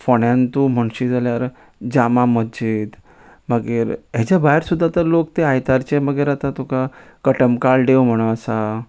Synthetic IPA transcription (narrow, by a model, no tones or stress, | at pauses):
foɳjãnt̪um̤əɳɕid͡zaljaɾ | d͡ʑamaməd͡ʑid̪ | məɡeɾɦat͡ɕabaɦeɾsud̪ʱːat̪əɾlokt̪eajt̪aɾt͡ɕeməɡeɾat̪at̪ukakəʈəmkaɭɖewm̤əɽ̃əəsa